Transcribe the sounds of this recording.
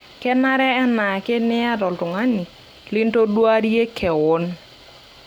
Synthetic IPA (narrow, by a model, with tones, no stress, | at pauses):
kɛ˦ma˦ɾɛ˦a˦na˨ke˦nɪ˦a˦dɔ˨ltʊ˨ŋa˦ni˨ | lɪ˦nto˦dwa˦ɾje˦kʰɛ˨wɔ˦n